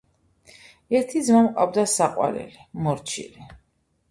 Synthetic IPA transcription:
ɛɾt̪ʰid̪zmamqʼawd̪asaqʼwa̰ɾɛ̰limɔɾt͡ʃʰḭli

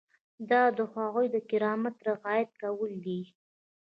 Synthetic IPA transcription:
d̪ɑd̪əxwɑɣujd̪əkɪɾɑmat̪ɾɪɣɑjat̪̚kawəld̪i

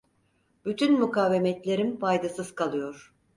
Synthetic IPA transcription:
b̥yt̪ʰynmukʰaːvemɛt̪lʲe̞ɾimfajd̪asɯz̥kʰalˠɯjo̞ɾ̥

